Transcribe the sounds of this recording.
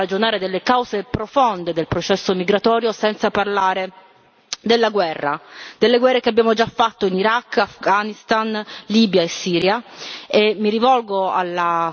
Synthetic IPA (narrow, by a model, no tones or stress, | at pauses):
ad͡ʒonaːɾed̪elːekawzepɾofond̪ed̪elpɾot͡ʃɛsːomiɡɾat̪ɔːɾjosɛnt̪saparlaːɾe | d̪elːaɡwɛrːa̰d̪̥elːeɡwɛrːekeabːjaːmod͡ʒafːat̪ːoiniɾakːafɡanist̪anliːbjaesːiːɾjaemːiɾivɔlɡoa̰lːa